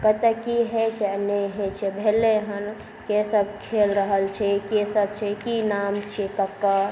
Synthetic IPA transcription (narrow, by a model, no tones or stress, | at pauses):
kət̪ekiɦet͡ʃeneɦẽt͡ʃʰebʱeleɦən | kesəb̚kʰeːlɾəɦəlt͡ʃʰekesəb̚t͡ʃʰekinaːmt͡ʃʰekɐkːa